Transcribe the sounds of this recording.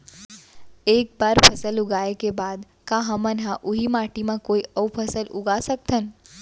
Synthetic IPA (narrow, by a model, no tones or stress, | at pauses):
eːk̚baːɾpʰəsəlʊɡaːekebaːd̪ | kaɦəmənɦãʔuɦimaːʈimãkoːiəupʰəsəlʊɡasək̚t̪ʰən